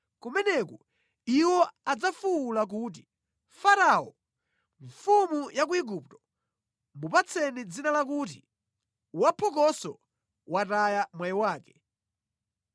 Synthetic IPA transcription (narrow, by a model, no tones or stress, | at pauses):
kumɛnɛkɔ | iwɔad͡zafuːlak̬ut̬i | faɾaɔ | ɱfumujak̬uiɡup̚tɔ̥ | mupat͡sʰɛnid͡zinalak̬uːt̬i | wapʰɔkɔsɔ | watajamwajiwaːkɛ̥